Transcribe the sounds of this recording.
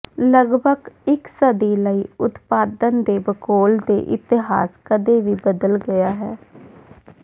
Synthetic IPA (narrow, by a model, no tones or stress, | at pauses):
ləɡbʱəɡɪksəd̪iːləiːʊt̪paːd̪ənd̪eːbəkoːld̪ḛːʔɪ̰t̪ɪɦa̰ːskəd̪eːʋiːbəd̪əlɡəjaːɦɛː